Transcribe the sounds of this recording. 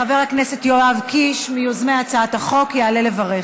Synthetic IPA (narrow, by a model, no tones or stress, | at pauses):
χave̞ʁhakne̞se̞tjoavkiʃmijozmeat͡saat̪haχo̞kjeale̞le̞vaʁe